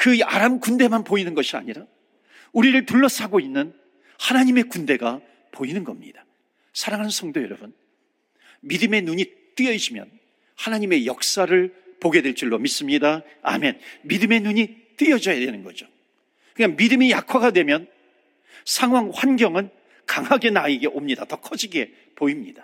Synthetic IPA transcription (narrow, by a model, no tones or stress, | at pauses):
kɯaɾamkunde̞manpoinɯnɡʌɕʰia̰ɲiɾa | uɾiɾɯɭtuɭːʌs͈ʰaɡoinːɯn | hanaɲime̞kunde̞ɡa | poinɯnɡʌmɲḭd̥a | sʰaɾaŋɦanɯnsʰʌŋdojʌɾʌbun | midɯme̞nuɲi | t͈ɯjʌiɕʰimjʌ̰n | hanaɲime̞jʌk̚s͈aɾɯɭpoɡe̞dwe̞ɭt͡ɕ͈iɭːomis͈ɯmɲida | a̰me̞nmidɯme̞nuɲi | t͈ɯjʌd͡ʑʌjadwe̞nɯnɡʌd͡ʑo | kɯɲaŋmidɯmijakʰwaɡadwe̞mjʌn | sʰaŋɦwaŋɸwanɡjʌŋɯn | kaŋɦaɡe̞naiɡe̞ʔomɲidatʌkʰʌd͡ʑiɡe̞ | poimɲid̥a